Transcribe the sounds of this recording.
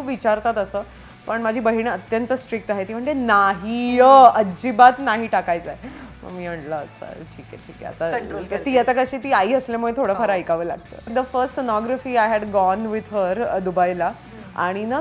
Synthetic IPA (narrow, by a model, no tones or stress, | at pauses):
upʋit͡ɕaɾt̪at̪əsəː | pəɳmad͡ʑʱiːbəɦiɳ̃ət̪jənt̪əsʈɾik̚ʈ̪aɦet̪iːm̤əɳd͡zenaɦiəəd͡ʑibat̪naɦiːʈakajt͡sajmə̰ɡmi̤ːəɳɖləsa̰ɾʈʰikɛʈʰiːkɛ̰a̰t̪akt̪iːat̪akəɕiːt̪iːaiːəslamuɭet̪ʰoɽəfʰaɾajkaʋəːla̰ɡ̚t̪ə̰ːd̪əfəɾsʈsənɔɡɾafiːajɦæɖɡɔnʋid̪ɦəɾd̪ubajla | a̰ɽ̃ina